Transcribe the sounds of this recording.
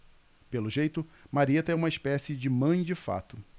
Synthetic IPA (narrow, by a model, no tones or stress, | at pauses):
pelʊʒejt̪ʊmaɾiet̪ɐɛũmɐɪspɛsɪd͡ʒɪmɐ̃j̃d͡ʒɪfa̰t̪ʊ